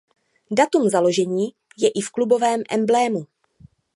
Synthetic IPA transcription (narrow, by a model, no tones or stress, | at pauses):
dat̪umzalo̞ʒɛɲiː | jɛʔɪfklubo̞vɛːmʔɛ̰mblɛːmu